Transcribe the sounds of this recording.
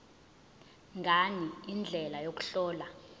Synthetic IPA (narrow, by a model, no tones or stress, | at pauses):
ŋɡʱaniind͡ɮʱɛlajok̬u̥ɬɔːla